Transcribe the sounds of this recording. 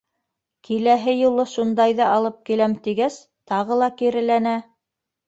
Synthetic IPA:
kʰilæɦɘjulˠɤʃund̪ɑjðɑɑlˠɤp̚kilæmt̪iɡæs | t̪ɑʁɤlˠɑkiɾɘ̆lænæ

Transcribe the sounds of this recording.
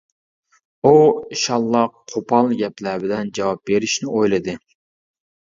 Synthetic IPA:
uiʃɑlˠːɑqʰopʰɑlˠɡʲɛplæɾbɪd̪ɛnd͡ʒɑwɑp̚beɾɪʃnɪojlˠɨd̪ɨ

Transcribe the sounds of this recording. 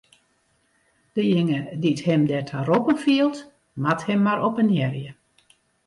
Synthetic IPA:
d̥əjɪŋədithɛmdɛtʰaɾopənfiəlˠt | mathɛmːaɾʔɔpənjɛrjə

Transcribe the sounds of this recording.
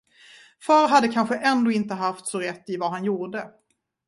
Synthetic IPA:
fœːɾɦad̪ːəkʰanɧəʔɛnd̪oːɪnt̪əɦaft̪sɔɾɛt̪ːɪvaɦanjuːɖə

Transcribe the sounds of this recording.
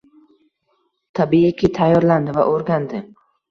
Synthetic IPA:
t̪ʰabiɪkʲʰɪt̪ʰajːɒɾland̪ɪva̰ʔoɾɡʲand̪ɪ

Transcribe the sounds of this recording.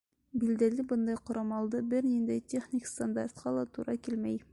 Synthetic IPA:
bild̪ælɘbɤnd̪ɑjqŏɾɑmɑlˠd̪ɤbɘɾnind̪æjtʲeχnʲikst̪and̪art̪̚qɑlˠɑt̪uɾɑkilmæj

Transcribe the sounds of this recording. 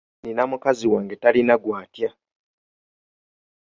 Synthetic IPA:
ninamukaziwaːŋɡetalinaɡwaːtja

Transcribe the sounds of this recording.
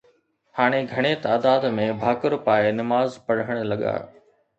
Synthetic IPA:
haːɽ̃eɡʱɐɽ̃et̪aːd̪aːd̪mẽbʱaːkʊɾpaːenɐmaːzpɐɽ̤əɽ̃lɐɠa̰ː

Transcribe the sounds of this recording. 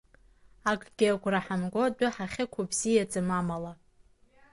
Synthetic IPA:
akʼɡ̥ʲɪaɡʷʰʼraħamɡʷodʷʊħaχʲɪkʷʰubzijad͡zamamala

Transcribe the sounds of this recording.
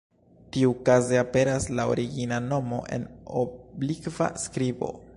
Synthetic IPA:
tiukazeape̞ɾaslao̰ɾiɡinano̞mo̞̰ʔe̞̰no̰blikva̰skɾibo̞̰

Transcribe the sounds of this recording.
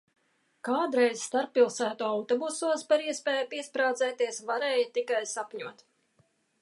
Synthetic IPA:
kaːd̪ɾɛjzst̪aɾpːilˠsæːt̪uawt̪ɔbusuɔspaɾiɛspɛːjapiɛspɾaːd̪zɛːt̪iɛsvaɾɛːjt̪ikajsapɲuɔt̪

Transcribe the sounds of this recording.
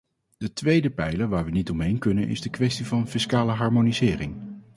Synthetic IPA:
d̥ətʋejdəpɛjləʋaːɹʋənitɔmɦejnkɵnə̰nʔɪ̰zdəkʋɛstivɑnfɪskaːləɦɑɹmonizɪːrɪŋ

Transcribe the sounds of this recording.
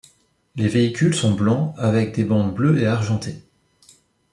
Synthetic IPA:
leveikʲylsɔ̃blɑ̃avɛk̚d̪ebɑ̃d̪bløeaʁʒɑ̃t̪e

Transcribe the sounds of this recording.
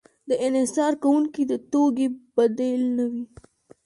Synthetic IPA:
d̪əʔɪnhɪsɑɾkawuŋkid̪ət̪oɡeb̥ad̪elnawi

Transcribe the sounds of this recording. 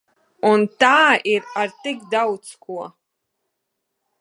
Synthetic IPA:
untaːirart̪ikdawt͡skʰuɔ

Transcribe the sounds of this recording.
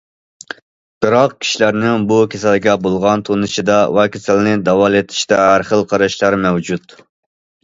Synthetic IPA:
b̥ɨɾɑqkʲʰi̥ʃilæɾnɪŋbukʲʰesælɪɡʲɛbolˠʁɑnt̪ʰonɨʃid̪ɑwɑkʲʰesælnɪd̪ɑwɑlˠet̪ʰɪ̥ʃt̪ɛæɾχəlˠqʰɑɾɑʃlˠɑɾmɛwd͡ʒut̪

